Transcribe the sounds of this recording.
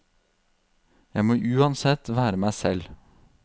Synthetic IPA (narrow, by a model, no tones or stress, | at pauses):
jæɪmoːʔʉːɑnsɛt̪ːʋæːɾəmæɪsɛl